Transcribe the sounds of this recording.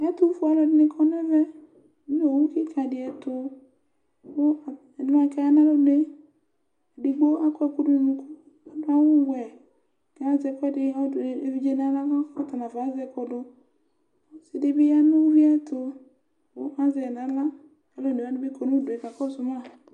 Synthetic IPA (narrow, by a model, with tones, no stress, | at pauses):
ɛ˦tu˦fu˦a˨lɔ˨dɪ˨nɪ˦kʰɔ˦n˦ɛ˦vɛ˦ | n˦o˨wu˦ki˦kʰa˨dɪ˨ɛ˨tʊ˨ | o˦a˨ | n˦m˦ã˨˦kɛ˨˦na˦lɔ˦de˦˨ | di˨ɡ͡bo˦ʔa˦kɔ˦ɛ˦ku˦du˦i˨mu˦ku˦ | a˨˦da˦wʊ˦wʷɛ˨ | kɛ˨a˦zɛ˨kɔ˦dɪ˦a˦˨e˨˦vi˦d͡ʒe˦na˨˦la˦kɔ˦ka˦˨ta˨na˨va˨˦zɛ˨kɔ˨dʊ˨˦ | sɪ˨de˦bɪ˦ja˦nu˦vi˦ɛ˦tʰʊ˨ | ʊ˦ʔa˦zɛ˨na˨˦la˦ | ka˨lɔ˦˨ne˨a˨˦nʊ˦be˦kɔ˨nu˦˨do˨ɛ˨ka˨kɔ˦sʊ˨ma˦˨